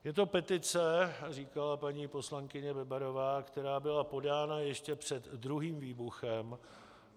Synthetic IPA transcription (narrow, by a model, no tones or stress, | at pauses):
jɛt̪o̞pɛt̪ɪt͡sɛriːkalapaɲiːpo̞slaŋkɪɲɛbɛbaɾo̞vaːkt̪ɛɾaːbɪlapo̞daːnajɛʃcɛpr̝̥ɛd̪ːɾuɦiːmviːbuxɛm